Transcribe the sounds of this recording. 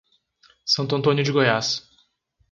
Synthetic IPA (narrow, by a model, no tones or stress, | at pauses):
sɐ̃nt̪ʊɐ̃nt̪õnjʊd͡ʒɪɡojas